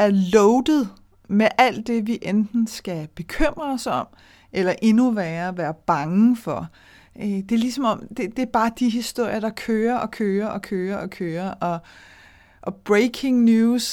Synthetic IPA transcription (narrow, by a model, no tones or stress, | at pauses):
æɐlɔʊd̥ð̞̩ˠ | meʔæl̰d̥e̝ʋiʔend̥n̩sɡ̥æb̥e̝kʰøm̰ʁɐsɒ̽m̰ | ʔelɐʔe̝nuʋæːɐæʋæːɐb̥ɑ̈ŋəfɒ | d̥e̝ɐlisɒ̽mɒ̽md̥e̝d̥e̝æɐb̥ɑ̈ːd̥iɦisd̥o̝ɐ̰ɪjɐd̥ɑ̈kʰøːɐʔɒ̽kʰøːɐʔɒ̽kʰøːɐʔɒ̽kʰøːɐʔɒ̽ | ʔɒ̽b̥ʁeɪkʰe̝ŋnjuːs